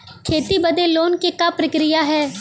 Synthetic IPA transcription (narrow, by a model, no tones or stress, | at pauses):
kʰeːt̪ibɐd̪eloːnkikapɾɐkɾɪjaɦɛː